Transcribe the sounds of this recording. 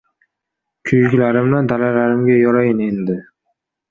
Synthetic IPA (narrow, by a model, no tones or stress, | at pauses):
kʲʰʊjɡʲlaɾɪmnad̪alalaɾɪmɡʲajɒɾajɪne̞nd̪ɪ